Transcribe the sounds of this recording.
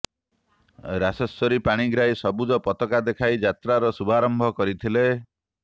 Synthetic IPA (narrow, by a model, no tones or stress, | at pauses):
ɾasɔsɔɾipaɽ̃iɡɾajsɔbud͡ʒɔpɔt̪ɔkad̪ekʰajd͡ʒat̪ɾaɾɔsubʱaɾɔmbʱɔkɔɾit̪ʰile